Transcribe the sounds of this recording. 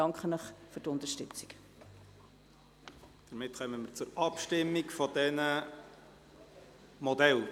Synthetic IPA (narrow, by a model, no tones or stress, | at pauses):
ɑŋkχənəχfyɾtʊnd̪əʃtʏt͡si̥k | d̥əɾmɪtχœməməɾt͡sʊɾɑpʃtɪmːikfɔd̥̪ɛnə | mɔd̪ɛl